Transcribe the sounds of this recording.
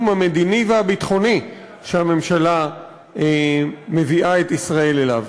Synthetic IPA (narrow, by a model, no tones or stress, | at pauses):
mhame̞d̪inivehabit̪χo̞ni | ʃehame̞mʃala | me̞viʔaet̪isʁae̞lela̰v